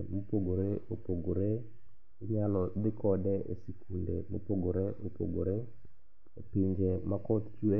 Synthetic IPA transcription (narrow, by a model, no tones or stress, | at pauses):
mopoɡoɾeopoɡoɾe | ɲalɔd̪ɪkɔdɛʔesikʰundḛmo̰poɡoɾeʔopo̰ɡo̰ɾe | opɪɲd͡ʒemakɔt̪t͡ʃwe